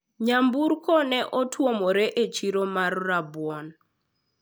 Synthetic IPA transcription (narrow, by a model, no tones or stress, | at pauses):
ɲambuɾkɔnɛʔɔtʰwomɔɾɛʔet͡ʃiɾomarːabwɔn